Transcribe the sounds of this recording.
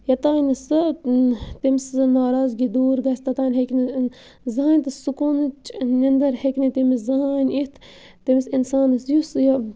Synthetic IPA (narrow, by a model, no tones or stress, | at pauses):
jɐt̪aːnɨsɨ | t̪imiszɨnaːɾaːzɡid̪uːɾɡɐsʲt̪ɐt̪aːnʲɦekʲni | zɐaːnʲt̪ɨsukunɨt͡ʃnɐnd̪ɐɾhekʲnit̪imizɐɦaːnʲit̪ʰ | t̪imisinsaːnɨsjusjɐ